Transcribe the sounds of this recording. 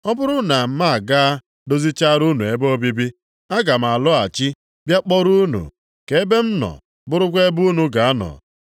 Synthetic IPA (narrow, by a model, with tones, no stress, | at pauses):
ɔ˦bʊ˦ɾʊ˦na˨m̩˦ma˦a˨ɡa˦a˦ | do˦zi˦t͡ʃa˦ɾu˦nu˨e˦bo˦bi˦bi˦ | a˦ɡa˨m̩˨a˨lʊ˦a˨t͡ʃi˦ | bja˦k͡pɔ˦ɾu˦nṵ˨ | ke˨e˦be˦m̩˦nɔ̰˨ | bʊ˦ɾʊ˦kʷe˦bu˦nu˦ɡa˨a˦nɔ̰˨